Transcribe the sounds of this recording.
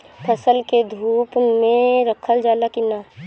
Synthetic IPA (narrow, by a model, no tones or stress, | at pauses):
pʰəsəlked̪ʱuːpmẽɾəkʰəld͡ʒaːlakinaː